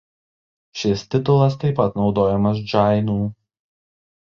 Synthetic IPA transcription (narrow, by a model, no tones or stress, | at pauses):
ʃʲɪst̪ʲɪt̪ʊlˠɐst̪ɐɪpɐt̪nɒʊd̪oːjɛmɐs̬d͡ʒɑɪnuː